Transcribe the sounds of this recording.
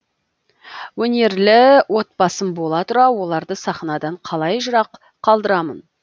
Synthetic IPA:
wɵne̞ɾlɪwo̞t̪̚pɑsəmbo̞lˠɑt̪ʰʊɾɑwo̞lˠɑɾd̪əsɑχnɑd̪ɑɴqʰɑlˠɑjʒʊɾɑqʰː | ɑlˠd̪əɾɑmən

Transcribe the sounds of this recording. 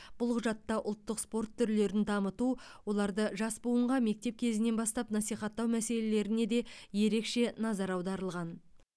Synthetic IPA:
b̥ʊlˠqʰʊʒɑt̪ːɑʔʊlˠt̪ːəqspo̞rt̪ʰːʏɾle̞ɾɪnd̪ɑmət̪uwo̞lˠɑɾd̪əʒɑsbuəɴʁɑme̞k̚t̪e̞p̚kʲʰe̞zɪne̞nbɑst̪ɑpnɑsijχɑt̪ːɑwmæse̞le̞le̞ɾɪne̞d̪e̞je̞ɾe̞kʃe̞nɑzɑɾɑwd̪ɑɾəlˠʁɑn

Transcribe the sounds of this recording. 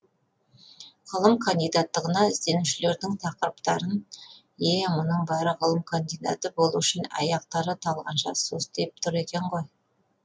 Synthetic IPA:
ʁəlˠəmkʰɐnd̪ijd̪ɑt̪ːəʁənɑɪzd̪e̞nuʃɪle̞ɾd̪ɪŋt̪ʰɑqəɾəpt̪ɑɾən | jemʊnəɴbɑɾəʁəlˠəmkʰond̪ijd̪a̰t̪əbo̞lˠuʏʃɪnɑ̰jɑq̚t̪ɑɾət̪ʰɑlˠʁɑ̰nʃɑ̰sosd̪ep̚t̪ʰʊɾe̞kʲe̞ɴʁoj

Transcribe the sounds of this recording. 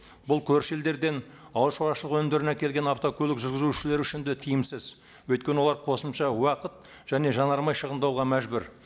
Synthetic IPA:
bʊlˠkʲʰɵɾʃeld̪e̞ɾd̪e̞n | ɑw̪ˠʃoɾɑʃəlˠəqwɵmd̪e̞ɾɪnækʲe̞lɡʲe̞nɑft̪o̞kʲʰɵlɪkʒʏɾɡʲɪzuʏʃɪle̞ɾɪʏʃɪnd̪et̪ʰijɪmsɪz | wɵjt̪kʲenɪwolˠɑɾqʰo̞səmʃɑwɑqət̪ | ʒ̥æne̞ʒɑnɑɾmɑjʃəʁənd̪ɑwʁɑmæʒbɪɾ

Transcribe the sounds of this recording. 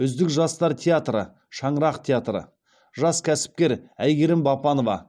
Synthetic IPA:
ʏzd̪ɪkʒɑst̪ɑɾt̪ʰʲeat̪rə̰ | ʃɑɴəɾɑqt̪ʲʰeat̪ɾə̰ | ʒɑskʲʰæsɪ̥p̚kʲe̞ɾæjɡʲe̞ɾɪmbɑpɑno̞vɑ̰

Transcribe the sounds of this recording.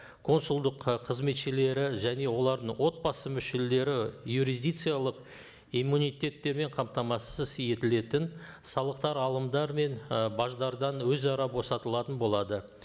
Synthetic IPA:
kʰo̞nsʊlˠd̪əqqʰəzme̞t̪ʃɪle̞ɾɪʒæne̞wo̞lˠɑɾd̪əɴwo̞t̪̚bɑsəmʏʃe̞le̞ɾɪjuɾizd̪ijt̪sɨjalˠəq | imːunijt̪ʲe̞t̪ːe̞ɾme̞ɴqʰɑmt̪ɑmɑsəzje̞t̪ɪle̞t̪ɪn | sɑlˠəqt̪ɑɾɑlˠəmd̪ɑɾme̞nbɑʒd̪ɑɾd̪ɑnwɵzɑɾɑbo̞sɑt̪əlˠɑt̪ənbo̞lˠɑd̪ə

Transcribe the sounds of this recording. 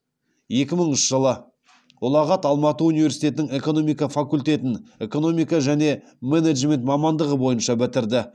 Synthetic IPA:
je̞kʲɪməɴʏʃʒ̥əlˠə | wolˠɑʁɑt̪ɑlˠmɑt̪əunijveɾsijt̪e̞t̪ɪnɪŋe̞ko̞no̞mijkɑfakulʲt̪e̞t̪ɪne̞ko̞no̞mijkɑʒæne̞ | meneʒme̞nt̪mɑmɑnd̪əʁəbo̞jənʃɑbɪt̪ɪɾd̪ɪ

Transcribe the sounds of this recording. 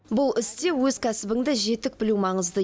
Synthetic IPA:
bʊlˠɪst̪e̞wɵz̥kʲʰæsɪbɪŋd̪ɪʒe̞t̪ɪk̚bɪlumɑɴəzd̪ə

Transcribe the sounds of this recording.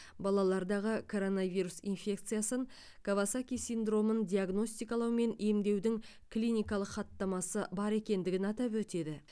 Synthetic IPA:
bɑlˠɑlˠɑɾd̪ɑʁəkʰo̞ɾo̞navijɾusḭnfʲe̞k̚t̪sɨjasəŋ | kʰavasakʲijsind̪ro̞mənd̪ʲiaɡno̞st̪ijkɑlˠɑwme̞nemd̪e̞wd̪ɪŋ | klʲijnʲijkɑlˠəqχɑt̪ːɑmɑsəbɑɾe̞kʲe̞nd̪ɪɡʲɪnɑt̪ɑp̬wɵt̪e̞d̪ɪ

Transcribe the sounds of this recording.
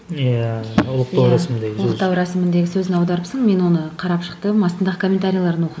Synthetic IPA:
jaʊlˠəqt̪ɑwwɾasmɪnd̪eɡʲlˠəqt̪ɑwɾɑsɪmɪnd̪e̞ɡʲɪsɵzɪnɑwd̪ɑɾəpsəɴme̞nwo̞nəqʰɑɾɑpʃə̥qt̪əmɑst̪ənd̪ɑʁəkʰo̞mʲːe̞nt̪aɾʲijalˠɑɾd̪ənwo̞qəd̪

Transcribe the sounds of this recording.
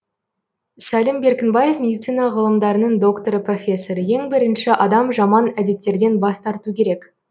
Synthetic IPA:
sælɪmbe̞ɾkʲɪnbɑje̞fmʲe̞d̪ijt̪sɨjnɑʁəlˠəmd̪ɑɾənəɴd̪o̞kt̪o̞ɾəpro̞fʲe̞sːo̞ɾəje̞ŋbɪɾɪnʃɪʔɑd̪ɑmʒɑmɑnæd̪e̞t̪ːe̞ɾd̪e̞nbɑst̪ɑɾt̪ukʲʰe̞ɾe̞k

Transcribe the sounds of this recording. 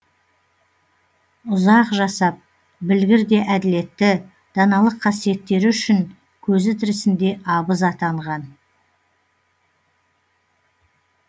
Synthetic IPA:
ʊzɑqʒɑsɑp̚ | bɪlɡʲɪɾd̪e̞ʔæd̪ɪle̞t̪ːɪ | d̪̥ɑnɑlˠəqʰːɑsije̞t̪ːe̞ɾɪʏʃɪŋ | kʲʰɵzɪt̪ʰɪɾɪsɪnd̪e̞ʔɑbəzɑt̪ɑɴʁɑn

